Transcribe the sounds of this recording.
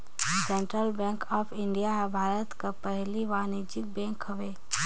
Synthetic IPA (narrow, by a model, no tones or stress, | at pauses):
sɛ̃ɳʈɾəlbɛ̃ːŋkɔːpʰɪ̃ɳɖijaɦbʱaːɾət̪kapɛɦliʋaːnid͡ʒɪk̚bɛ̃ːŋkɦɐʋeː